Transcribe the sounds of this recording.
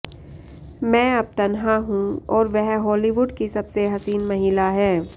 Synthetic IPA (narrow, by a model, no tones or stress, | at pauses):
mɛ̃ːɐb̚t̪ɐnɦaɦũɔːɾʋɛɦɦɔːliʋʊɖkisɐbseɦɐsiːnmɐɦiːlaɦɛː